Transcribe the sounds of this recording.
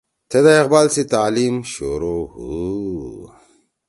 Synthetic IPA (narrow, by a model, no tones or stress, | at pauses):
t̪ʰed̪aeqbaːlsit̪aːlimɕoɾohu